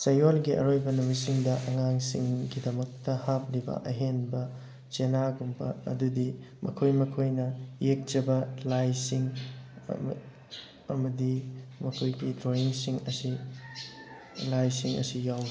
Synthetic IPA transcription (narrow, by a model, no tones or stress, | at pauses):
sɐjolɡiɐ̰ɾojbɐnumisiŋdɐʔɐŋaŋsiŋɡidɐmɐk̚tɐhap̚libɐ̰ʔɐɦenbɐ | t͡ʃenaɡumpʰɐ̰ɐ̰dudi | mʔɐ̰kʰojmɐkʰojnɐjek̚d͡ʒɐbɐlajsiŋ̰ | ɐmɐdimɐkʰojɡidɾoiŋsiŋɐsi | lajsiŋɐ̰sijawni